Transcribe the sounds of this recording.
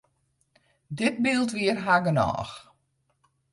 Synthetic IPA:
dɪt̚bilˠtʋiərɦaɡənɔ̰ːx

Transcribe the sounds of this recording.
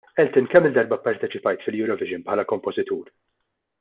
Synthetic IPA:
ʔɛlt̪ɪnkɛmːɪld̪ɐɾbɐpɐɾt̪ɛt͡ʃɪpɐjt̪fɪljuːɾɔvɪʒɪnpħɐːlɐkɔmpɔzɪt̪uːɾ

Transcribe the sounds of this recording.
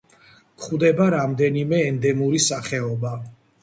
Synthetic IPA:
kχwd̪ɛbaɾamd̪ɛnimɛːnd̪ɛmuɾisaχɛɔba

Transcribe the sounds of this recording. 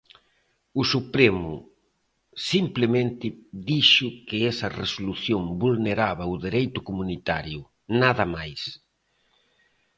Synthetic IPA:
ʊsupɾemʊ̰ | simplɪmẽnt̪ɪðiʃʊkɪɛsɐresoluθjoŋbulneɾaβɐʊðeɾejt̪ʊkomunit̪aɾjʊ | naðɐmajs

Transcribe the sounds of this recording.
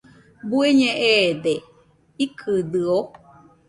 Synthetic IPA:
bueɲẽʔed̪e | ikʰɨd̪ɨo

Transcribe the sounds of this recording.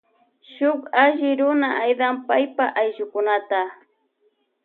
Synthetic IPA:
ʃʊkaʒɪɾʊnaʔajd̪ampajpaʔajʒʊkʊnat̪a

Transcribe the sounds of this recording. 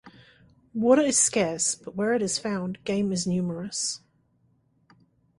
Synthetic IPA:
wɔɾəɨz̥skɛɹsb̥ʌʔ̚wə˞ɨɾɨz̥fãʊ̃nɡ̥ẽɪ̃mɨznjʉmə˞əs

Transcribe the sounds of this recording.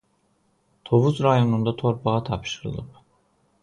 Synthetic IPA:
t̪ʰo̞vuzɾajo̞nund̪at̪ʰo̞ɾpʰaat̪ʰapʃɯɾɯ̰lˠɯ̰p̚

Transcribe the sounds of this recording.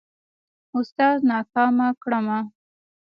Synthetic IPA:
ʊst̪ɑznɑkɑmakɽama

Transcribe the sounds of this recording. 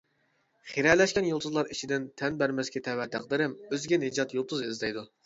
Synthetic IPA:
χeɾɛlɛʃkʲɛnjolˠt̪ʰʊzlˠɑɾit͡ʃʰid̪ɪnt̪ʰɛnbæɾmɛskʲɛt̪ʰɛwɛt̪ʰæ̰q̚d̪ɪɾɪmøzɡʲɛned͡ʒɑt̪jolˠt̪ʰuzɪzd̪ɛjd̪u

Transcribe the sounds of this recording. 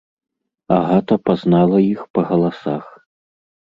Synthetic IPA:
a̰ɣat̪ɐpaznalˠɐixpɐɣɐlˠasax

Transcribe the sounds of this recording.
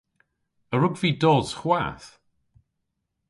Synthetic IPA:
əɾʊɡviːdoːsχwa̰ːθ

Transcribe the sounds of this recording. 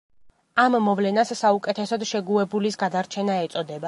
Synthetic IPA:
amːɔvlɛnasːaukʼɛt̪ʰɛsɔd̪ʃɛɡuɛbulisɡad̪aɾt͡ʃʰɛnaɛt̪sʼɔd̪ɛba

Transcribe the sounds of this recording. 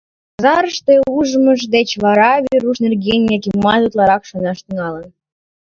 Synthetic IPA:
ɑzɑɾəʃt̪euʒəməʃ̬d̪et͡ɕβɑɾɑvʲiɾuʃnerɡʲenʲijɑkʲimːɑzut̪lɑɾɑkʃonɑʃt̪əŋɑlə̆n

